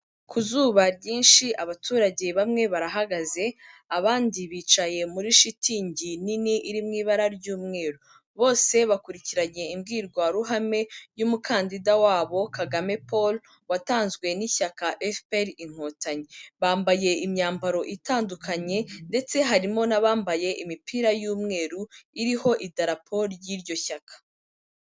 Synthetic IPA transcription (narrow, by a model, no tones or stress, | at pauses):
kʰuzuːβaɾɟiːnʃiʔaβatʰuːɾaɟe̞βamŋe̞βaɾaɦaɡaze̞aβaːndiβiːt͡ʃaje̞muɾiʃitiːɲɟininiʔiɾimŋiːβaɾaɾɟuːmŋe̞ːɾu | βo̞ːse̞βakuɾiciɾaɲe̞imɡiːɾɡwaɾuɦame̞jumukʰaːndidawaːβo̞kaɡame̞pol | wataːnzɡwe̞niçakaʔefpeɾiŋ̥ho̞ːtaɲeβaːmbaje̞imɲaːmbaɾo̞ʔitaːndukʰaɲe̞nde̞t͡se̞ɦaɾimo̞naβaːmbaje̞ʔimipʰiɾajuːmŋe̞ːɾuiɾiho̞ʔidaɾapʰoɾjiːɾɟo̞çakʰḁ